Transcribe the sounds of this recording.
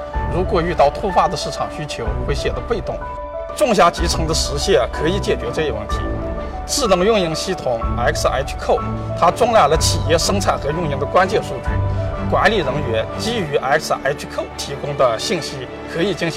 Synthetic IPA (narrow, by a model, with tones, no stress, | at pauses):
ɻu˧˥kwɔ˨˩y˥˧t̪ɑ˥˩ʊt̪ʰu˥fa˥˩d̪ə˩ʂɻ̩˥˩ʈ͡ʂʰɑ˨˩ŋɕy˥t͡ɕʰjo˧˥ʊxwe˥ɪɕjɛ˥˩t̪ə˧˥pe˥˧ɪt̪ʊ˥˩ŋ | ʈ͡ʂʊ˥˧ŋɕ̬ja˧˥t͡ɕi˧˥t͡sʰɤ˧˥ŋd̪ə˧ʂɻ̩˧˥ɕjɛ˥˩nkʰɤ˧˥i˨˩˦t͡ɕjɛ˨˩t͡ɕɥɛ˧˥ʈ͡ʂɤ˥˧i˧˥wə˥˩nt̪ʰḭ˧˥ | t͡sɹ̩˥˩nɤ˧˥ŋjʊ˥˧ŋi˥˧ŋɕi˥t̪ʰʊ˨˩˦ŋa˧˥ɪks̩˧a̰˧˥ɪt͡ɕʰkʰo˥˩ʊ | t̪ʰa˥ʈ͡ʂʊ˥ŋla˥˩ɪlə˩t͡ɕʰi˨˩jɛ˥˩ʂɤ˥ŋt͡sʰa˥˩ɪxɤ˧˥jʊ˥˧ŋi˥˩ŋd̪ə˧kwa˥nt͡ɕjɛ˥˧nʂu˥˧t͡ɕy̰˥˩kwa˧˥nli˨˩ɻɤ˧˥ŋɥɛ˧˥nt͡ɕi˥y˧˥ʔa˧˥ks̩˧ʔa̰˧˥ɪt͡ɕʰkʰo˥˩ʊt̪ʰi˧˥kʊ˥ŋd̪ə˨ɕi˥˩nɕi˥ | kʰɤ˧˥i˨˩t͡ɕi˥ŋɕ